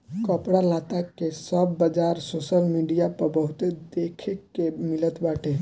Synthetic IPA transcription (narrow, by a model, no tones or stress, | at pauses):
kəpɽalat̪akesəbːəd͡ʒaɾsosəlmiɖijapəɾbəɦut̪ed̪ekʰekːemilət̪baʈʰe